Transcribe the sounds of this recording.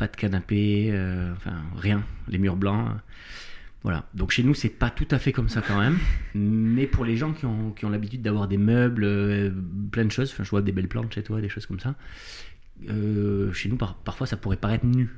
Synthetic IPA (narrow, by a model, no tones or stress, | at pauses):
pad̪̥əkanapeøɑ̃fɛ̰̃ʁjɛ̃lemyʁblɑ̃ø̰ | vwa̰la̰d̪ɔ̃kʃenusɛpat̪ut̪afɛkɔmsakɑ̃mɛm | mɛpuʁleʒɑ̃kʲiɔ̃kʲiɔ̃labit̪yd̪̚ːavwaʁd̪emœblø | plɛ̃d̪əʃozɑ̃fɛ̃ʒəvwad̪ebɛlplɑ̰̃t̪ʃet̪wad̪eʃoz̥kɔmsa | øʃenupaʁpaʁ̥fwasapuʁɛpaʁɛt̪χny